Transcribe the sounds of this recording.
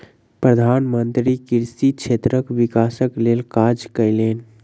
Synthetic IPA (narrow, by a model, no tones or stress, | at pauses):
pɾəd̪ʱaːnmənt̪ɾikiɾsikt͡ʃʰeːt̪ɾəkʋikaːsəklelkad͡ʒkəɪleːn